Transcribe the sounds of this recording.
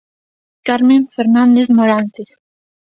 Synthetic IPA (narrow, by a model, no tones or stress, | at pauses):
kaɾmeɱfeɾnand̪eθmoɾant̪e